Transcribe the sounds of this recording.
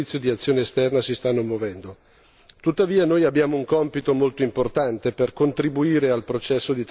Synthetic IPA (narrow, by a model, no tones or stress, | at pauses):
it̪sːjod̪iat̪sːjoːneːst̪ɛrnasist̪anːomwovɛnd̪o | t̪ut̪ːaviːanoːjabːjaːmouŋkɔmpit̪omolt̪oimport̪ant̪eperkont̪ɾibuiːɾealpɾot͡ʃɛsːod̪it̪